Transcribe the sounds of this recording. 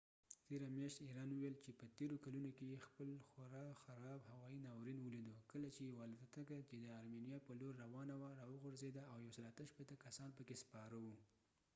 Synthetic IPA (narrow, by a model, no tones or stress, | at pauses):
t̪eɾamjɑʃt̪iɾɑnwuwelt͡ʃepət̪eɾokalunokejexpəlxaɾɑxaɾɑbhawɑjinɑwɾinwəlid̪okəlat͡ʃewɑlɪd̪at̪akat͡ʃed̪əaɾmenijɑpəloɾːawɑnawaɾɑwəɣʊɾzed̪aːwjawsəlat̪əʃpet̪akasɑnpəkespɑɾawu